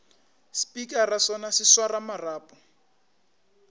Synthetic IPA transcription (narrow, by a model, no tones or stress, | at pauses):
spikʼarasɔnasiswaramaraːpʼɔ̥